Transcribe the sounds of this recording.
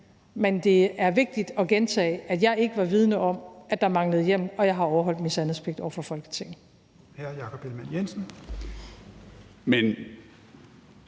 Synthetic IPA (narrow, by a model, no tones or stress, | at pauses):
mend̥e̝æɐʋe̝ɡ̥̚d̥id̥ɒ̽ɡ̥ent͡sʰɛ̰ːɪæd̥jɑ̈ɪe̝ɡ̥əʋɑ̈ʋið̞ˠnəʔɒ̽mʔæd̥ɑ̈mɑ̈ŋləð̞̩ˠjem̰ɒ̽jɑ̈ɪɦɑ̈ɒʊɐɦɒ̽l̰d̥misænðˠspʰe̝ɡ̥̚d̥ɒ̰ʊ̰ɐfɒ̽fɒ̽l̰ɡ̥ə̥t͡sʰe̝ŋ̰ | hæɐjɑ̈ːkʰɒ̽b̥elmænjensn̩ | men